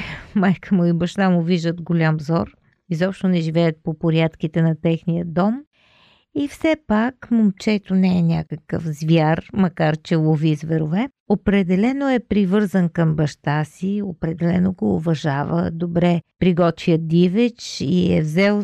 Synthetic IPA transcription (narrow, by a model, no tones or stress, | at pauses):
majkʰəmoibɐʃt̪amʊviʒd̪ət̪ɡolʲamvzɔɾ | izɔpʃt̪onɛʒivɛjət̪̚popoɾʲjat̪k̟it̪ɛnɐt̪ɛxnijəd̪ɔm | ifsɛpakmomt͡ʃɛt̪onɛːnʲakəkə̰fzvʲjaɾmɐkaɾt͡ʃɛlˠovizvɛɾovɛ | opɾɛd̪ɛlɛnoɛpɾivɤɾzənkɐmbɐʃt̪asiopɾɛd̪ɛlɛnoɡoːvɐʒavə̰d̪obɾɛpɾiɡɔt̪viəd̪ivɛt͡ʃiɛ̰vzɛlˠ